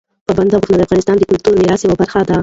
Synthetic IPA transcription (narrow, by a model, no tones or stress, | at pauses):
pəband̪aɣut̪nad̪əafɣɑnɪst̪ɑnd̪əkʊlt̪uɾniɾɑsjawabaɾxad̪a